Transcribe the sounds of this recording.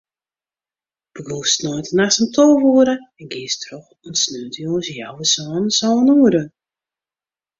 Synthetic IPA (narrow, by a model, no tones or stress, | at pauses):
b̥əɡuːsnɔjtənasəmtʰoːʋuəɾəɛnɡɪəstʰrɔx | ɔnsnøːtəjosjawəsɔːnəsɔːnuəɾə